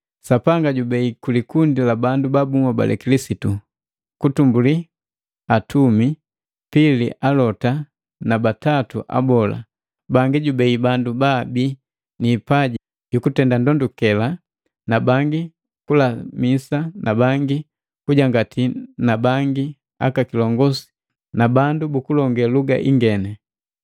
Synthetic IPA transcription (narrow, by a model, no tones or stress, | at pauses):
sapaŋɡaɟubɛikulikundilabandubabumaba̰lɛ̰kilisitu | kutumbuli | atumi | piliʔalɔta | nabatatuʔa̰bɔla̰ | baŋɡiɟubɛibandubabi | niːpaɟi | jukutɛndandɔndukɛla | nabaŋɡi | kulamisanʔabaŋɡi | kuɟaŋɡatʰinabaŋɡi | a̰kakilɔŋɡɔsi̥ | nabandubukulɔŋɡɛluɡa̰ʔḭŋɡɛnɛ